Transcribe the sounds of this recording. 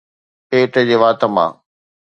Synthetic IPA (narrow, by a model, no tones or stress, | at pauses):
peːʈəd͡ʑeːʋaːt̪ə̆mã̰ː